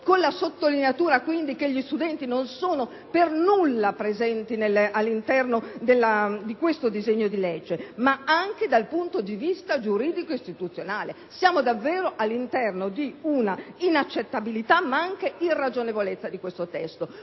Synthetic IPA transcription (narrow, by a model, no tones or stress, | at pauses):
konlasot̪ːolineat̪uːɾakwind̪ikeʎːist̪ud̪ɛnt̪inonsoːno | pernulːapɾezɛnt̪inelalːint̪ɛrnod̪elːad̪ikwest̪od̪izɛɲːod̪iled͡ʒːemaaŋk̟ed̪alpunt̪od̪ivist̪ad͡ʒuɾiːd̪ikoist̪it̪ut̪sːjonaːle | sjaːmod̪avːeːɾoʔalːint̪ɛrnod̪iunainat͡ʃːet̪ːabilit̪amaaŋkeʔirːad͡ʒonevolet̪sːad̪ikwest̪ot̪ɛst̪o